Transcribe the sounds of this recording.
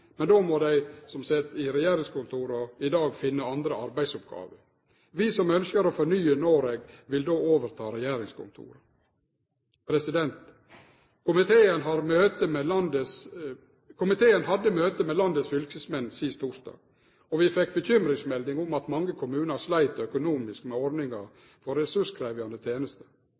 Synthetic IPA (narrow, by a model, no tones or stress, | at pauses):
mɛnd̪oːmɔd̪æɪsɔmsɛt̪ːɪɾɛjæːɾɪŋskʊnt̪ʰuːɾɔɪd̪ɑːɡfɪnːəɑnd̪ɾəɑɾbæɪsʊp̚ɡɑ̰ːʋəɾ | ʋɪsɔmœnskəɾɔfɔɳyːənoːɾeːɡʋɪld̪oːoːʋəɾt̪ʰɑ̰ːɾɛjæːɾɪŋskʰʊ̰nt̪ʰṵːɾə | pʰɾɛsɪd̪ɛnt̪ | kʊmɪt̪ʰeːənɦɑːɾmøːt̪əmɛlɑnd̪əs | kʰʊmɪt̪ʰeːənɦɑd̪ːəmøːt̪əmɛlɑnd̪əsfʏlkəsmɛnːsɪst̪ʰuːʂd̪ɑ̰ːɡ̥ | ɔʋɪfɛk̚ːbəçʏmɾɪŋsmɛld̪ɪŋʊmɑt̪mɑŋːəkʰʊmʉːnəslæɪt̪œkʊnuːmɪskmɛɔɾɖ̪nɪŋɑ | fɔɾɛsʉʂkʰɾæɪʋɪɑnd̪ət̪ʰjeːnəst̪ə̥